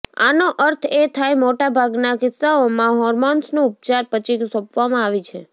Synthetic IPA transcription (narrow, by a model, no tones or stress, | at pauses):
a̰noʔəɾt̪ʰet̪ʰajmoʈabʱaɡnakɪsːaomãɦɔɾmɔnsnũʊp̚t͡ʃaɾpət͡ʃʰiɡsɔpʋamãaʋit͡ʃʰe